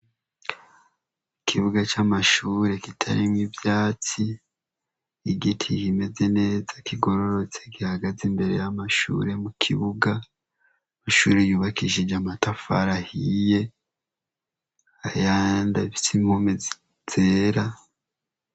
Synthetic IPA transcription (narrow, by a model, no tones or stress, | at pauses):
kʰiβuɡat͡ʃamaʃuːɾe̞kitʰa̰ɾimŋivjaːt͡si | ɡitʰikime̞ze̞ne̞ːzakʰiɡo̞ɾo̞ɾo̞t͡se̞ɡihaɡazembe̞ɾe̞jamaʃṵɾe̞mukʰiβuɡa | maʃuːɾejuːβakiʒid͡ʒamatafa̰ɾahije̞ | ajaːndaβi̥sim̥homezi | z̥eːɾa